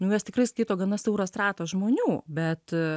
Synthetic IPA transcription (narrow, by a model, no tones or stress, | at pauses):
nʊjɛst̪ʲɪkɾɐɪskʲiɪt̪oːɡɐnɐsʲɛʊɾɐst̪ɾɑːt̪osʒmoːnʲuːbʲɛt̪